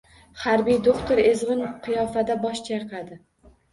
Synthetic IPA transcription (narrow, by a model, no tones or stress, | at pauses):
haɾbijd̪okt̪ʰoɾezʁɨnqʰɨjɒfad̪abɒʃt͡ʃʰaɾqʰɑd̪ɪ